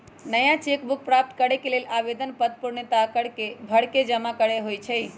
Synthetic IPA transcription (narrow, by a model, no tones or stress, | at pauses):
nəjãt͡ʃekbuk̚pɾap̚t̪kəɽekelelabed̪ənpət̪̚puɾnət̪akəɽkebʱəɽked͡ʒəmakəɽeɦojt͡ʃʰəj